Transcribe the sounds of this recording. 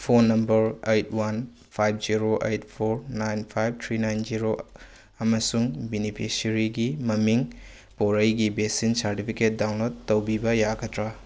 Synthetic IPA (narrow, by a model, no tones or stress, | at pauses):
pʰonːɐmbɐɾejtʰwan | pʰajb̚ʰziɾoʔejtpʰoɾnajnpʰajb̚tʰɾinajnziɾo | ɐmɐsuŋbenipʰisɐɾiɡimɐmiŋ | poɾɐjɡibesinsaɾtipʰiket̚dawnlotːɐwbibɐjaɡɐtɾɐ